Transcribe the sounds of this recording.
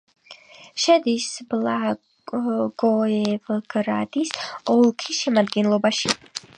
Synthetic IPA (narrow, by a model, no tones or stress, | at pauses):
ʃɛd̪isbla | ɡɔɛvɡ̥ɾa̰d̪isɔlˠkʰisʃɛmad̪ɡɛnlˠɔbaʃi